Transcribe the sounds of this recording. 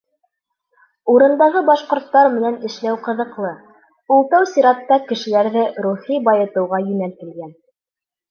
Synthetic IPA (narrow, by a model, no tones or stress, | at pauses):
uɾɤ̆nd̪ɑʁɤbɑʃqŏɾt̪ːɑɾmɘ̆nænɘ̆ʃlæwqɤ̆ðɤ̆qlˠɤ | ulˠt̪ɑwsʲiɾɑt̪ːɑkɘ̆ʃɘ̆læɾðɘɾuχibɑjɤ̆t̪ɤ̆wʁɑjɵ̆nælk̪ɘ̆lɡæn